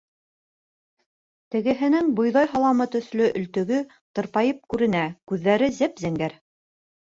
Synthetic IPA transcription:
t̪ɘ̆ɡɘ̆ɦɘ̆nɘŋbŏjðɑjɦɑlˠɑmɤt̪ɵ̆θlɵʔɵ̆lt̪ɵ̆ɡɵ | t̪ɤ̆ɾpɑjɤp̚kʉɾɘ̆nækʉðːæɾɘzæpzæŋɡæɾ

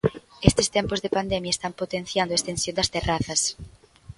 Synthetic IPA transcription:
est̪ɪst̪ɛmpozðɪpand̪ɛmjɐest̪ampot̪enθjand̪oest̪ensjõnd̪ɐst̪eraθɐs

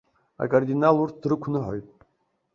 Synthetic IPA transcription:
a̰kʼard̪inalurt̪̚ʰdrɨkʷʰnɨħojtʼ

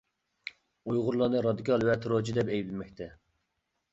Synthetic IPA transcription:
ujʁʊɾlˠɑnɨɾɑd̪ikʲʰɑlˠwɛt̪ʰɾot͡ʃʰid̪ɛpɛjblɪmɛk̚ʲt̪ʰɛ

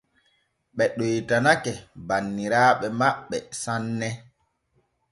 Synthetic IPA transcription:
ɓɛɗojtanakɛbanːiɾaːɓɛmaɓːɛsanːɛ

